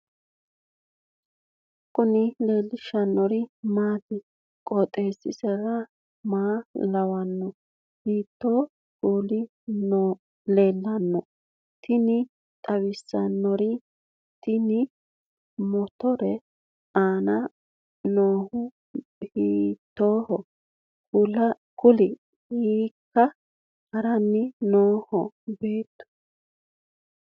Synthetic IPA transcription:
kʼːʊnɪle̞ːlːɪʃɐnːɔɾɪmaːt̪ɪ | kʼɔt̪ʼeːsɪ̰sɛɾɐ | maːlɐwɐnːɔ | hiːt̪ːɔ | kuːlɪ | n | le̞ːlːɐnːɔ | t̪ɪnɪ | t̪ʼɐwɪsːɐnːɔɾɪ | t̪ɪnɪ | mɔt̪ɔɾɛ | aːnɐ | noːhʊ | hiːt̪ːoːhɔ | kʊlɐ | kʊlɪ | hiːkːɐ | kɐɾɐnːɪnoːhɔ | beːt̪ːʊ̥

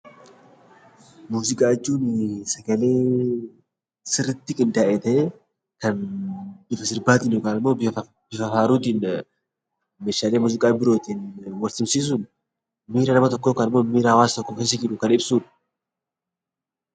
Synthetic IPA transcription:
muːzɪkʼaːɪt͡ʃːuːnsɐɡɐle̞ː | sɪrɪt̪ːɪkʼɪnd̪aʔɛt̪ɛ | kɐn | ɪfɐsɪɾbaːt̪ɪnʊkʼaːmːo̞ː | b̥ɪfɐfaːɾuːt̪iːn | meːʃaːleːmuːzɪkʼaːbɪɾo̞ːt̪iːnwɐlsɪmsiːs̬ʊn | miːɾɐnɐmɐt̪ɔkːo̞ːkɐnɪmːoːmiːɾaːwaːst̪ɔkːokɐs̬ɪɡɪᶑʊkɐnɪbsuːᶑɐ̥

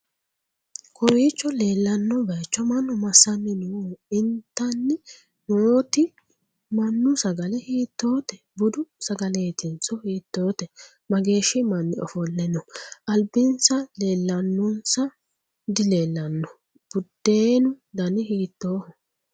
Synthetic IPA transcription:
kʰɔwiːt͡ʃːɔle̞ːlːɐnːɔbɐjt͡ʃːɔmɐnːɔmɐsːɐnːɪnuɪnt̪ːɐnːɪ | moːt̪ɪ | mɐnːʊsɐɡɐlɪhiːt̪ːoːt̪ɛ | bʊd̪ʊsɐɡɐleːt̪ɪnt͡sɔhiːt̪ːo̞ːt̪ɛ | mɐɡe̞ːʃɪmɐnːɪ̰ɔ̰fɔlːɛnɔʔɐlbɪnsɐle̞ːlːɐnːʊnsɐ | d̪ɪle̞ːlːɐnːɔ | b̥ʊd̪ːeːnʊd̪ɐnɪhiːt̪ːo̞ːhɔ

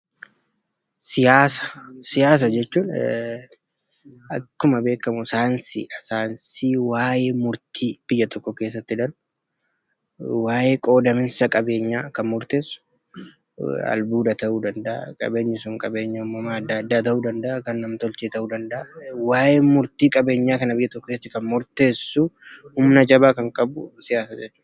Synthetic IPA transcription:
sɪjaːsɐ̥sɪjaːs̬ɐd͡ʒɛt͡ʃːuːn | ɐkːʊmɐbe̞ːkːɐmʊɪsaːnsḭɐsaːnsiːwaːjeːmʊɾt̪ʰiːb̥ɪjːɐt̪ʰɔkːɔke̞ːs̬ːɐt̪ːɪd̪ɐlʊ | waːjeːkʼo̞ːd̪ɐmɪnsɐkʼɐbe̞ːɲːaːkɐnmʊɾt̪eːsʊ̥ | ɐ̰lbuːd̪ɐt̪ɐʔuːd̪ɐnd̪ɐʔɐ̰kʼɐ̰be̞ːɲːɪsʊŋkʼɐbe̞ːɲːɐʊmːɐmaɐd̪ːɐɐd̪ːaːt̪ɐʔuːd̪ɐnd̪ɐʔɐkɐnːɐmt̪ɔlt͡ʃeːt̪ɐʔuːd̪ɐnd̪ɐʔwaːjeːmʊɾt̪iːkʼɐbe̞ːɲːaːkɐnɐbɪjːɐt̪ɔkːɔkeːst̪ːɪkɐnmʊɾt̪e̞ːsːʊhʊmnɐd͡ʒɐbaːkɐŋkʼɐbʊsɪjaːsaːd͡ʒɛt͡ʃːuːd

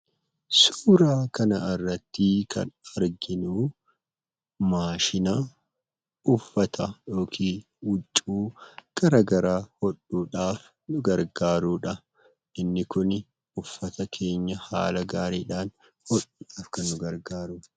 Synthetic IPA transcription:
suːɾaːkɐnɐɐrːɐt̪ːiːkʰɐ̰nɐɾɡɪnuː | maːʃɪnɐ | ʊfːɐt̪ɐjo̞ːkʰiː | wʊt͡ʃʼːuːɡ̥ɐɾaːɡɐɾaːhɔᶑuːᶑaːf | nʊɡɐɾɡaːɾuːᶑɐ | ʔɪnːɪkʊn | ʊfːɐt̪ɐkʰe̞ːɲːɐha̰ːlɐɡaːɾeːᶑaːn | hɔᶑuːᶑaːfkɐnːʊɡɐɾɡaːɾʊ

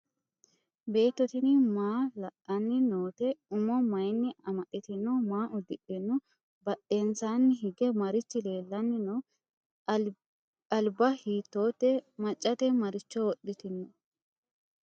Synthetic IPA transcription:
be̞ːt̪ːɔt̪ɪnɪmaːlɐʔɐnːɪnoːt̪ɛʊmɔmɐjnːɪɐmɐɗɪt̪ɪnːɔmaːʔʊd̪ɪᶑɛnːʊ | bɐʔe̞ːnsaːnːɪɦɪɡɛmɐɾɪt͡ʃːɪle̞ːlːɐnːɪnɔ | ɐlbɐhiːt̪ːoːt̪ːɛmɐt͡ʃʼːɐt̪ɛmɐɾɪt͡ʃːɔwɔɗɪt̪ɪnːɔ

